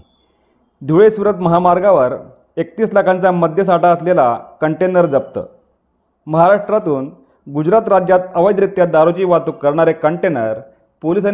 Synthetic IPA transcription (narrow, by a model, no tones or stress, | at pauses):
d̪ʱuɭesuɾət̪məɦamaɾɡaʋəɾ | ek̚t̪iːslakʰãnt͡saməd̪ʱjəsaʈaəslela̰kəɳʈenəɾd͡zəp̚t̪ə̰ː | məɦaɾaʂʈɾat̪uːn | ɡud͡ʑɾat̪ɾad͡ʑjat̪əʋəjd̪ɾit̪jad̪aɾot͡ɕiːʋat̪ukːəɾɳ̃aɾekəɳʈenəɾ | polisan